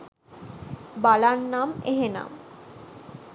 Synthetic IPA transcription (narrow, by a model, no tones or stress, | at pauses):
balannameɦena̰m